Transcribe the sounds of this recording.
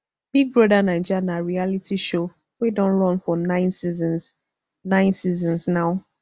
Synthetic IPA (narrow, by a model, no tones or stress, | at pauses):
b̥iɡ̚bɹɔdanãɪd͡ʒanaɹialitʰiʃo | wedɔ̃nlɔ̃nfɔnãɪ̃nsizɔ̃ns | nãɪ̃nsizɔ̃nsnaʊ